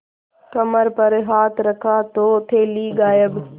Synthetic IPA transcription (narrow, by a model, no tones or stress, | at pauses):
kɐməɾpɐɾɦaːt̪ɾɐkʰaːt̪oːt̪ʰeːliːɡaːjəb